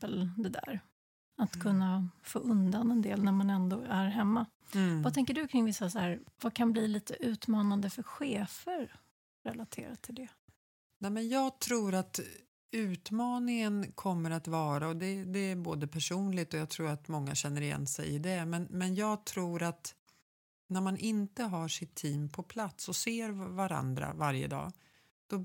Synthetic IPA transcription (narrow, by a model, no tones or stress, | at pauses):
əld̪ɛd̪æ̰ɾ | at̪kʰɵnːafo̰ːʔɵnd̪anɛnd̪ḛːlnæɾmanɛnd̪oːæɾɦɛmːa | vat̪ʰɛŋkəɖɵkʰɾɪŋvɪsːasaæːɾvakʰanbliliːt̪əʔʉ̟ːt̪mɑːnand̪əfœɾɧeːfəɾ | ɾɛlat̪ʰeːɾat̪ʰɪld̪ɛ | nɛːmɛnjɑːɡt̪ʰɾuːɾat̪ | ʉ̟ːt̪mɑːnɪŋənkʰɔmːəɾat̪vɑːɾaɔd̪ɛd̪ɛːboːd̪əpʰæʂuːnlɪɡt̪ɔjɑaɡt̪ʰɾuːɾat̪mɔŋːa̰ɕɛnːəɾɪjɛ̰nsɛ̰jɪd̪ɛmɛnmɛnjɑːɡt̪ʰɾuːɾat̪ | næɾmanʔɪnt̪əɦaʂɪt̪ʰːiːmpʰɔpʰlat̪sɔseːɾvaɾa̰nd̪ɾa̰vaɾjə̰d̪ɑ̰ː | d̪̥ɔ